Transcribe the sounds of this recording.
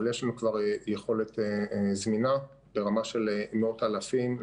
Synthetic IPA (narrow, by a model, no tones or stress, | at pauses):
ljeʃlanukvaʁjeχo̞let̪ezmina | b̥e̞ʁamaʃelmeotalafim